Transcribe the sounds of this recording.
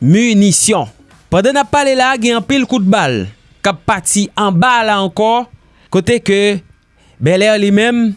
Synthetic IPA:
mynisjɔ̃ | pãd̪ɛ̃napːalelaɡɛ̃ɑ̃pilkut̪̚bal | kapːat̪iɑ̃balaɑ̃kɔ | kot̪ekø | bɛlɛʁlimɛ̃m

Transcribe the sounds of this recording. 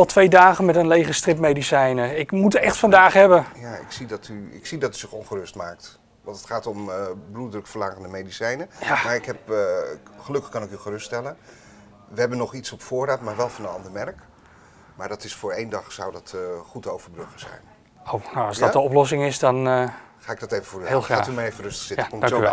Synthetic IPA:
ɑlˠtʰʋejdaːχənmɛtənlejχəstrɪpmejdisɛjnəɪkmutɛχtfɑndaːχɦɛbəjaːɪ̰ksidɑtyɪ̰ksidɑtyzɪχɔnχərɵstmaːk̚t | ʋɑntətχaːtɔmbrudələkfəɹlaːχəndəmejdisɛjnəjamaːɹɪkɦɛp | χəlɵkəχkɑnɪkyχərɵsttɛlən | ʋəɦɛbənɔχitsɔpfʊːɹraːtmaːɹʋɛlˠfɑnənɑ̰ndəɹmɛrk | maːɹdɑtɪsfʊːɹejndɑχsɔwdɑtχutowvəɹbrøχəz̥ɛ̰jn | ownawɑsɔtəɔplɔs̬ɪŋɪsdɔnχaːɪɡ̚dɑtejvəfoːɹhelˠaːtymajejvərɵstə̥χsɪəkɔmt

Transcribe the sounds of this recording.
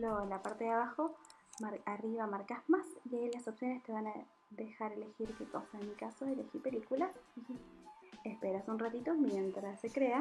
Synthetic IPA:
lolapaɾt̪eðeaβaxo̞ | maɾariβamaɾkasmasiajlaso̞psjo̞nest̪e̞βana | d̪e̞xaɾe̞le̞xiɾkekosaenmikasoelexiɾpe̞likulasi | espeɾasunrat̪it̪o̞mje̞nt̪ɾasːekɾea

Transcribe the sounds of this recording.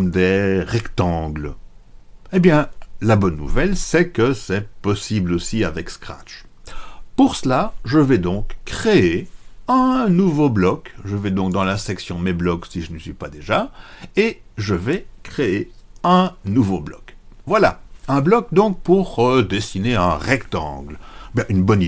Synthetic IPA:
md̪ɛʁɛkt̪ɑ̃ɡl | ebjɛ̃labɔnːṵvɛlsɛkəsɛpɔsiblosiavɛkskχa̰t͡ʃ | puʁsəlaʒəvɛd̪ɔ̃kːχeeɛ̃nuvoblɔkʒəvɛd̪ɔ̃k̚d̪ɑ̃lasɛksjɔ̃d̪meblɔksiʒənəsɥipad̪eʒaeʒəvɛkχeeɛ̃nuvoblɔkvwala̰ɛ̃blɔk̚d̪ɔ̃k̚puʁd̪esineɛ̰̃ʁɛkt̪ɑ̰̃ːɡlbjɛ̃ʔynbɔni

